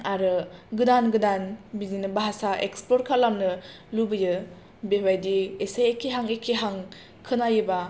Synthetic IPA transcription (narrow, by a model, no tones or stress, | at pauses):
aɾɯɡɯdanɡɯdanbizinɯbaɦasaʔḛkspɔɾ̚kʰalamnɯ | lubɯjɯ | bewajdiesajekʰeɦaŋekʰeɦaŋ | kʰɯnajɯba